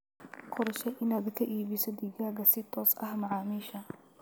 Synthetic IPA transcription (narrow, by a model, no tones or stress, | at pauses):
qʰɔɾɐʃɛʔɪnaːɡɐkʰɐʔiːβisɔd̪iɡaːɣɐsɪt̪ʰɔːsʔɐ̰hmɐʕɑːmiːʃɐ